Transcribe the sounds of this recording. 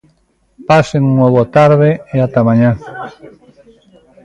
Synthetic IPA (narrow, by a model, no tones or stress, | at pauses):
paseŋuŋnoβot̪aɾðeeat̪amãɲã